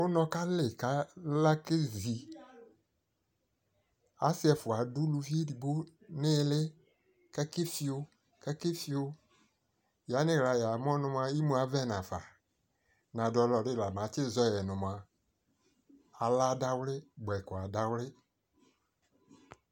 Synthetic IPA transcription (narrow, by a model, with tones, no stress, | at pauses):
wo˦nɔ̃˨˦ka˦lɪ˨ka˦la˦ke˦zi˨ | a˦sɪ˦ɛ˨fʊ˨a˨dʊ˦lu˨vi˦e˦di˨bo˦ | nɪ̃˦˨˦lɪ˦ | kɛ˦kɪ˦fi˦o˦ | kɛ˦kɪ˦fi˦o˦ | ja˨˦nɪ̃˦ɣɾa˨ja˨m˦ɔ̃˦nʊ̃˨m˨a˨ji˦mũ˨a˨vɛ˦nã˨fa̰˨ | nã˨dɔ˦lɔ˨ɖɪ˦la˨m˨ã˨˦t͡ʃɪ˦zɔ˦jɛ˨nʊ̃˨m˨a˨ | a˨la˦da˦wlɪ˦ɡ͡bɛ˨kɔ˨a˨da˨wlɪ˦